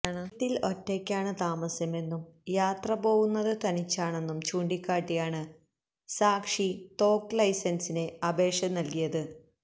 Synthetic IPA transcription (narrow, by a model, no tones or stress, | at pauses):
ɳt̪ːilo̞tːekʲːaːɳɨt̪aːmɐsjɐme̞nːumjaːt̪rɐpo̞ːɣunːɐðɨt̪ɐnit͡ɕːaːɳe̞nːumt͡ɕuːɳɖikʲːaːʈːijaːɳɨ | saːkʂit̪o̞ːkːlɐjsɐnsine̞ɐbe̞ːkʂɐmnɐlkijɐðɨ